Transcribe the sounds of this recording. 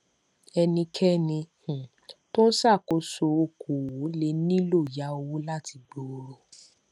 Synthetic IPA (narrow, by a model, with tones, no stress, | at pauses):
ɛ˧nĩ˧kʰɛ˦nĩ˧hũ˨ | tõ˦sa˦˨ko˨˦so˧o˧˨ko˨wo˨˦le˨˦nĩ˦lo˦˨ja˨˦o˧wu˦la˦ti˧ɡ͡bo˨o˨˧ɾo˧